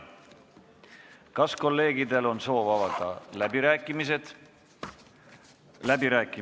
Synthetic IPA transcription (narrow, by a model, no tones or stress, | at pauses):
kɑsko̞lːe̞ːɡid̪e̞lo̞nso̞ːvɑvɑɡ̥ɑ̰læbiɾæːkːˑimised̪̥ | læbiɾæːkːˑi